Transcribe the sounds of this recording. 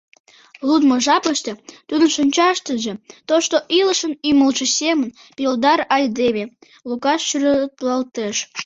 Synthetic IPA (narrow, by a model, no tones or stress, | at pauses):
lud̪moʒɑpəʃt̪et̪ud̪ə̆nʃənʲt͡ɕɑʃt̪əʒĕt̪oʃt̪oʔiləʃəniməlʒə̆sʲemən | pʲild̪ɑrɑjd̪eβe | lukɑʃʃyɾɑt̪lɑlt̪eʃ